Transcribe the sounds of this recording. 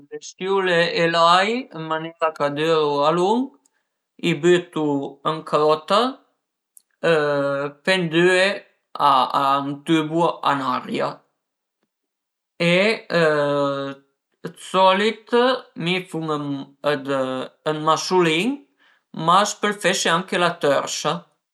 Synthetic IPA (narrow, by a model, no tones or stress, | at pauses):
bɛst̪julɛɛlajəmanɛɾakad̪ɛɾualuŋɡ | ibyt̪uəŋkʰɾɔt̪a | əpɛnd̪yɛ | ant̪ybuaʔa̰naɾja | eə | ət̪sɔlit̪mifuŋəəd̪ənmasuliŋ | maspəlfeʃeaŋkelat̪œɾsa